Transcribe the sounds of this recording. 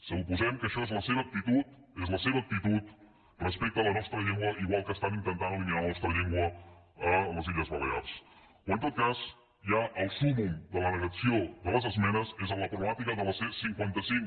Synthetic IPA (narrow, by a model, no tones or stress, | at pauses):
səupuzɛmkəːʃɔezləseβəːk̚t̪it̪ut̪̚ | ezləseβəːk̚t̪it̪ut̪ | rəspek̚t̪ələnɔst̪ɾəʎeŋɡwəʔiɣwalˠkəːst̪anint̪ənt̪anəlimialənɔst̪ɾəʎeŋɡwə | ələziʎəzβələa̰lˠs | wənt̪ot̪̚kaz | jaʔəlˠsumumd̪ələnəɣəsioðələzəzmɛnəzezənləpɾumat̪ikəðələsesiŋkwant̪əsiŋ